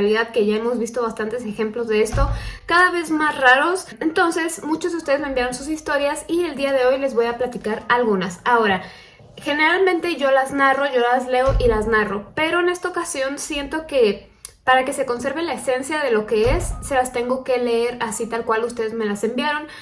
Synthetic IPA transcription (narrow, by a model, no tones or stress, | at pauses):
aliðaðke̞ʝae̞mo̞zβist̪o̞β̞ast̪ant̪e̞s̬e̞xe̞mplo̞zðe̞est̪o̞kaðaβe̞zmasraɾo̞sent̪o̞nse̞smut͡ʃozðeust̪e̞zmembjaɾo̞nsus̬ist̪o̞ɾjasie̞ld̪iaðe̞o̞jle̞zβo̞japlat̪ikaɾalɣunasao̞ɾa | xe̞ne̞ɾalmẽnt̪e̞ʝo̞laznaro̞ʝo̞lazle̞o̞ʔilaznaro̞pe̞ɾo̞ene̞st̪aokasjo̞nsje̞nt̪o̞ke̞ | paɾake̞se̞konse̞ɾβelae̞se̞nsjað̞e̞lo̞ke̞esːelast̪e̞ŋɡo̞ke̞leeɾasit̪alkwalust̪e̞ðe̞zme̞lase̞mbjaɾo̞n